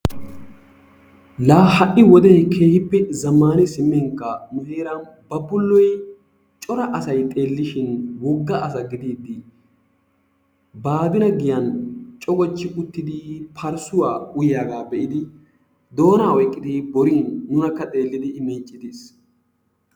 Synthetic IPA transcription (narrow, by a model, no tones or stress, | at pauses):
laːhɐʔːɪwɔd̪ɛːkʰe̞ːhɪpːɛzɐmːaːnɪsɪmːɛŋkːɐmɛheːɾɐn | bɐbʊlːɔj | t͡ʃʼɔɾɐʔɐsɐjt̪ʼe̞ːlːɪʃɪnwɔɡːɐʔɐs̬ɐɡɪd̪iːd̪ːɪ | baːbɪnɐɡɪjɐnt͡ʃʼɔɡɔt͡ʃːɪʔʼʊt̪ːɪd̪ɪpʰɐɾsʊwaːʊjjaːɡaːbɛʔɪd̪ɪ | d̪oːnaːwɔjkʼːɪd̪ɪbɔɾɪnːʊnɐkːɐt̪ʼe̞ːlːɪd̪ɪmiːt͡ʃʼːɪd̪ɪs